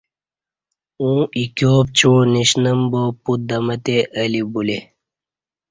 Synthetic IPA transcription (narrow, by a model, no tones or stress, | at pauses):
ũːikoːp̚t͡ɕoːniɕnɐmbopud̪ɐmɐt̪eʔɐlibule